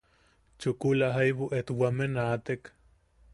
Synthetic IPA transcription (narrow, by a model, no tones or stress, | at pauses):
t͡ʃukulaɦajβuʔet̪wamenat̪ek